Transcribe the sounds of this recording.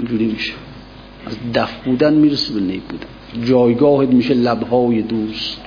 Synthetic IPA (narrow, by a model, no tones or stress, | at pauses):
ind͡ʒuːɾimiːʃe̥ | æzd̪æfbuːd̪ænmiːɾesebenejbuːd̪æn | d͡ʒɒːjɡɒːhet̪miːʃelæbhɒːjed̪uːst̪